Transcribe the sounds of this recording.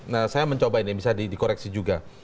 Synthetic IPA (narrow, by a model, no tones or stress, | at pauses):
nasajaməɲt͡ʃobainibisadidikoɾɛksid͡ʒuɡa